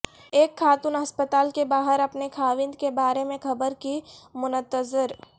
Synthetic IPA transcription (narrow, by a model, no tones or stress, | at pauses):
eːkʰːaːt̪ʊnɦɐspət̪aːlkebaːɦəɾɐpnekʰaːʋɪ̃nd̪kebaːɾemẽxʰɐbəɾkimʊnət̪əzɪɾ